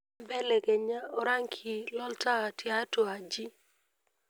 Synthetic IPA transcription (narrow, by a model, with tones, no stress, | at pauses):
bɛ˦le˨ke˨ɲa˦ɔ˨ɾa˦ŋkʰi˨lɔ˦ltaː˦˨tja˦to˨a˨d͡ʒi˦